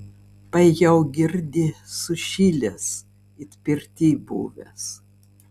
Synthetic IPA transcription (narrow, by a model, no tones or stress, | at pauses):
pɐjɛʊɡʲɪɾʲd̪ʲɪsʊʃʲiːlʲes | ɪt̪ʲpʲɪɾʲt̪ʲiːbṵːʋʲɛ̰s